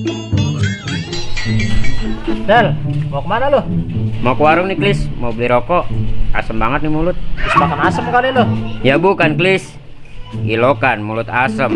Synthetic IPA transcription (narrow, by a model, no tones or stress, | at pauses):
dɛlmokəmanalohmakəwaɾʊŋniklɪsmobliɾɔkɔʔa̰səmbaŋət̪̚nimulʊt̪̚lismakanasəməkalilojabukanklis | ḭlokanmulʊt̪asəm